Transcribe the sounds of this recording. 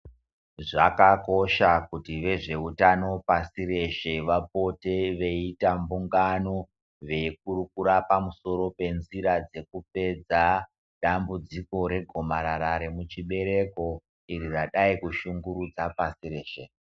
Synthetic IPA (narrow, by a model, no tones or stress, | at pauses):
ʐakako̞ʃakutiʋe̞ʐe̞utano̞pasire̞ʃe̞ʋapo̞te̞ʋe̞itambuŋɡano̞ | ʋe̞ik̚urukuɾapamuso̞ɾo̞pe̞nziɾad͡ze̞kup̚e̞d͡za | ɗambud͡ziko̞ɾe̞ɡʱo̞maɾaɾaɾe̞mut͡ʃiɓe̞ɾe̞ko̞ | iɾiraɗaikuʃuŋɡuɾud͡zapasiɾe̞ːʃe